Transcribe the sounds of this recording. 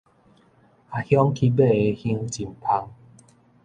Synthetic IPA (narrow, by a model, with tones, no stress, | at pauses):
a˨˩hjɔ˦ŋkʰi˧be˥˦˨e˨˧hĩ˧˦ŋt͡ɕi˨mpʰa˧ŋ